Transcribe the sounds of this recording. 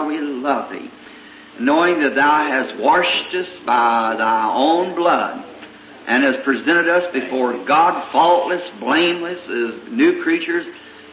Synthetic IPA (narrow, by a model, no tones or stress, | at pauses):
wilʌvðḭ | noʊɪ̃ŋðɨt̪̚ðaʊɨst̚wɑʃtʌsb̥aɪðaɪõʊ̃nblʌd | ʔɨ̃nɨz̥pʰɹ̥ɨzɛ̃ɾ̃ɨɾʌsb̥ɨfɔɹɡɑdfɔlˠʔlɨsblẽɪ̃mlɨsɨznʉkʰɹ̥it͡ʃə˞z̥